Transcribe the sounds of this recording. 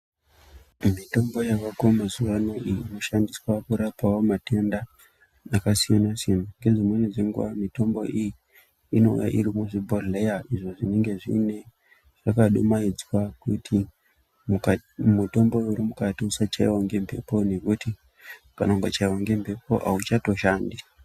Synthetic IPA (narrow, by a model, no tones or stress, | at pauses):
mito̞mbo̞jaʋakomazuwanoiiːno̞ʃandiswakuɾapawomatenda | akasijanasenaŋɡe̞ʐimweneʐeŋɡuamito̞mbo̞ʔiji | ino̞̰ṵja̰ʔiɾimuʐibʱolejaʔiʐoʐine̞ŋɡe̞ʐḭne̞ | ʐ̥akaɗumaid͡zwakutʰi | mumuto̞mbo̞uɾimukatiusat͡ʃaiwoŋɡe̞mpe̞̰pone̞kuti | kanoŋɡat͡ʃaiwoŋɡe̞mpe̞pʰo̞̰ʔa̰ut͡ʃatoʃaːndia